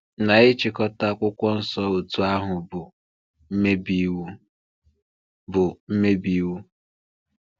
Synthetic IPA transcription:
na˨ɪ˦t͡ʃɪ˨kɔ˦ta˦˨kʷʊ˦kʷɔ˦n̩˦sɔ˦o˨tu˦a˦ɦʊ˨bʊ˨ | m̩˦me˦bi˦wu˦ | bʊ˨m̩˦me˦bi˦wu˦

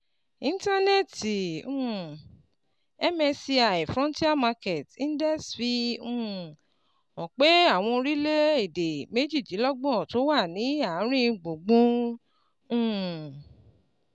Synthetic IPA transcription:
ĩ˦n˦ta˦ne˦ti˨ũ˦˨ | ɛ˦mɛ̃˧si˧a˨i˨fɾɔ̃˦n˦ti˦a˦ma˧ke˨tĩ˦n˦daɛ˦˨sfi˧ũ˦˨ | ɔ̃˨k͡pe˦a˦˨w̃ɔ̃˧ɾi˦le˦i˦˨de˨me˦d͡ʒi˦˨d͡ʒi˨˦lɔ˦ɡ͡bɔ̃˦˨to˨˦wa˦˨nĩ˨˦a˨˦ɾ̃ĩ˦˧ɡ͡bo˨ɡ͡bũ˦ | ũ˦˨

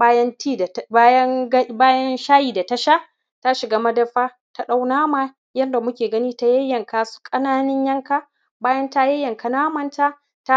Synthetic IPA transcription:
ba˦jɐ˦ntiː˦djɐ˦ŋɡbaː˦jɐ˦nʃaː˦jiː˨da˨ta˦ʃa˦ʔ | ta˦ʃɪ˨ɡaː˦mɐ˦dɐ˦ɸaː˦ | ta˨ɗa˦wnaː˦maː˦ | jɐ˦nda˨mʊ˦kʲeː˨ɡɐ˦niː˦ta˦jɐ˦jːɐ˨ŋkaː˨su̥˦kʼɐ˦naː˦nɪ˦ɲjɐ˦ŋka˦ | baː˦jɐ˦nta˦jɐ˦jːɐ˨ŋka˨naː˦mɐ˨nta˦ | ta˦

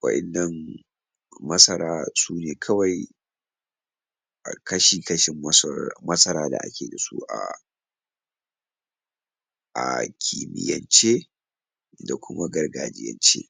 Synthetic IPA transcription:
wɐ̰˦ʔɪ̰˦˨nːɐ˨ŋ | mɐ˦sɐ˦ɾaː˦suː˦neː˨kʰɐ˦wa˨j | kʰɐ˦ʃiː˨kɐ˦ʃɪ˦m˦mɐ˦sɐ˦ɾaː˦da̰˨ʔa̰˦kʲeː˨da˨sṵ˦ʔa̰˨ | ʔa˨kʲʰi˨mɪ̰˨jɐ̰˨nt͡ʃeː˦ | da˨kʷʊ˦ma˦ɡɐ˦rɡaː˨d͡ʒɪ̰˦jɐ̰˨nt͡ʃḛː˦

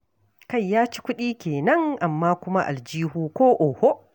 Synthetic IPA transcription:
ka˦˨jːaː˦t͡ʃi̥˦kʷʊ˦ɗiː˦kʲeː˨nɐ˦ŋʔa˨mːaː˦kʷʊ˦ma˦ʔa̰˨ld͡ʒiː˦huː˦kʷoː˦ʔo˨ho˦

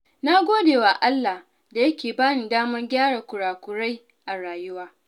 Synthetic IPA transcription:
na˦ɡʷoː˦deː˨wa˨ʔa˦lːa˨h | da˨jɐ˦kʲeː˨baː˦nɪ˨daː˦mɐ˦rɡʲaː˦ɽaː˨kʷʊ˨ɽaː˨kʷʊ˨ɽa˦j | ʔa˨ɽaː˨jʊ˦waː˦

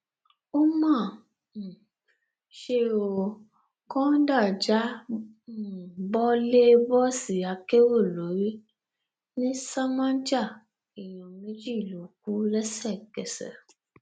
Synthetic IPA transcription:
o˦mã˦˨ | ʃe˧o˧ | kɔ̃˦da˦˨d͡ʒa˨˦˨ | bɔ˦le˦bɔ˦si˨a˧ke˦wo˦˨lo˨˦ɾi˦ | nĩ˦sa˦mã˦d͡ʒa˦˨ | i˨j̃ɔ̃˨mẽ˨˦d͡ʒi˦˨lo˨ku˦lɛ˦sɛ˦˨kɛ˨sɛ̰˨

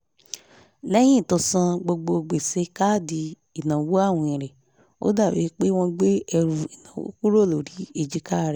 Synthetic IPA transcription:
lɛ˦j̃ĩ˦˨to˧sã˧ɡ͡bo˧ɡ͡bo˧˨ɡ͡be˨se˨˦ka˦˨di˧ | i˨nã˨wo˦a˦˨w̃ɔ̃˧ĩ˨ɾɛ˨ | o̰˦da˦˨we˨˦k͡pe˦w̃ɔ̃˧ɡ͡be˦ɛ˧ɾu˧i˨nã˨wo̰˦ku˦ɾo˦˨lo˨ɾi˨˦e˧˨d͡ʒi˦ka˦˨ɾɛ˨

